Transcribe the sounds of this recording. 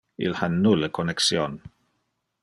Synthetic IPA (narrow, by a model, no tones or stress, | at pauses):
ɪ̰lhanːʊləkʰɔnɛksjɔːn